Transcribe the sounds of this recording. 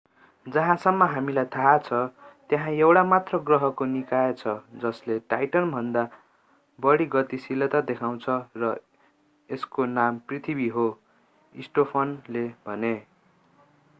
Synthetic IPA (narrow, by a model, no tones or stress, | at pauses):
d͡zʌɦãsʌmːʌɦamilajt̪ʰaɦat͡sʰʌt̪jaɦãewɽamat̪rʌɡrʌɦʌkonikaet͡sʰʌd͡zʌsleʈajʈʌnbʱʌnd̪a | bʌɽiɡʌt̪isilʌt̪ad̪ekʰaw̃t͡sʰʌrʌ | eskonamprit̪ʰibiɦo | isʈopʰʌnlebʱʌne